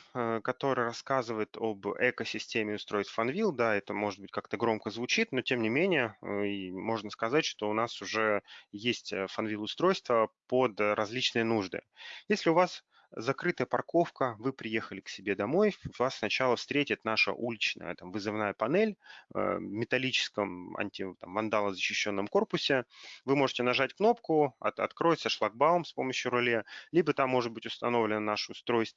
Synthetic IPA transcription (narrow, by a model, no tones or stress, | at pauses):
əkɐt̪o̞ɾɨjɾɐskazɨvəjɪt̪ʰo̰bɛkəsʲɪsʲtʲemʲɪʊst̪ɾo̞jɪt̪fɐnvʲilˠd̪aɛt̪əmo̞ʐɨd̪̚bɨtʲkakt̪əɡɾo̞mkəzvʊt͡ɕit̪no̞tʲe̞mnʲɪmʲenʲɪjəimo̞ʐnəskɐzatʲʂt̪o̞ʊnasʊʐɛjesʲtʲəfɐnvʲilˠʊst̪ɾo̞jst̪vəpod̪ɾʔɐzʲlʲit͡ɕnɨjənuʐd̪ɨ̰jesʲlʲɪʊvas | zɐkɾɨt̪əjəpɐrko̞fkəvɨpɾʲɪje̞xəlʲɪksʲɪbʲe̞d̪ɐmo̞jvassnɐt͡ɕalˠəfst̪ɾʲetʲɪt̪naʂə̰ʔulʲɪt͡ɕnə̰jə̰t̪amvɨzɨvnajəpɐnɛl̰ʲ | mʲɪt̪ɐlʲit͡ɕɪ̥skəmɐ̰nʲtʲɪt̪amvɐnd̪alˠəzəɕːɪɕːo̞nːəmko̞rpʊsʲɪvɨmo̞ʐɨtʲɪnɐʐatʲkno̞pkʊɐ̰t̪ɐ̰t̪kɾo̞jɪt̪səʂlˠɐɡ̚baʊmspo̞məɕːjʊɾʊlʲelʲibət̪amːo̞ʐɨt̪̚bɨtʲʊst̪ɐno̞vlʲɪnənaʂɨʊst̪ɾo̞jst̪